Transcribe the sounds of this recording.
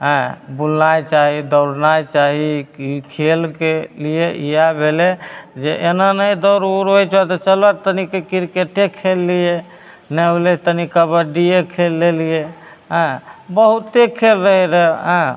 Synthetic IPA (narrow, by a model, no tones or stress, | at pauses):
ɦə̃bulnajt͡ʃaɦid̪ɔʊɾnajt͡ʃaɦikʰelkelieʔijabʱeled͡ʒeʔenanəjd̪ɔwɾuɾɦojt͡ʃʰat̪ɔt͡ʃəlat̪ənikekiɾkeʈekʰelːije | nɛblet̪ənikabəɖiekʰelːelie | ɦə̃bəɦut̪ːekʰelɾəɦɛɾəɦɦə̃